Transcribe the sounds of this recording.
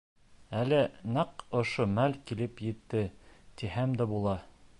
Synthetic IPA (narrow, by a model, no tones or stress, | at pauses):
ælɘnɑqŏʃomælkilɘpjɘ̆t̪ːɘt̪ihæmd̪æbulˠɑ